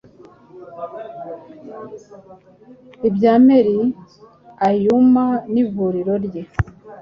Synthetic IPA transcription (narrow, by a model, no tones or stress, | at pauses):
ibɟaːmeɾi | ajumaniβuɾiɾo̞ɾɟe